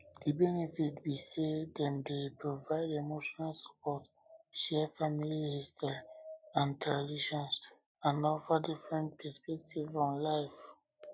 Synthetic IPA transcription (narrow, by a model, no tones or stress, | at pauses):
dibɛnɛfitwisedɛ̃mdepɹovaɪdemoʃɔnalsḁpɔt | ʃɛfamilihistɔɹiãntʰɛɹadiʃɔ̃ns | ãnɔfədifɹɛ̃nt̚pʰɛspɛk̚tʰivɔ̃nlaɪf